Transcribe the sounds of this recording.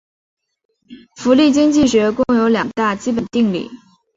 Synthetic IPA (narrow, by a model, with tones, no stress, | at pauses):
fu˧˥li˥˩t͡ɕi˥ŋt͡ɕi˥˩ɕɥɛ˧˥kʊ˥˩ŋjo˧˥ʊljɑ˨˩ŋt̪a˥˩t͡ɕi˥pə˨˩nt̪i˥˧ŋlḭ˥˩